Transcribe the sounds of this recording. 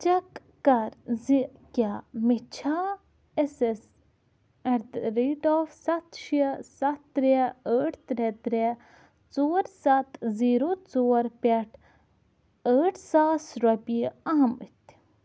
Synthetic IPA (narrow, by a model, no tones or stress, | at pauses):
t͡ʃɐkː | ɐɾzikʲaːmit͡ʃʰaː | eses | ɐɾd̪ɾeːɖoːfsɐt̪ʃiəsɐt̪ːɾeəːʈʰt̪ɾet̪ɾe | t͡soːɾsɐt̪ziːɾot͡soːɾpʲeʈʰ | əːʈʰsaːsɾɐpiɐɦɐmɨt̪